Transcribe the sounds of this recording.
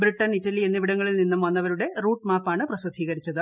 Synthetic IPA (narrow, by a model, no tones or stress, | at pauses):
bɾiʈːɐniʈːɐlienːiʋiɽɐŋːɡɐɭilninːumʋɐnːɐʋɐɾuɽe̞ruːʈmaːpaːɳɨprɐsɨd̪ʱːiːɣɐɾit͡ɕːɐðɨ